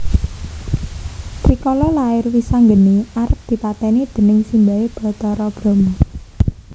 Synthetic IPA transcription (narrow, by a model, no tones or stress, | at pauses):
t̪ɾikɔlɔlaɪrwisaŋɡəniʔaɾəp̚d̪̥i̤pat̪ɛnid̪̥ə̤nɪŋsimbaweb̥ɔ̤t̪ɔɾɔb̥ɾɔ̤mu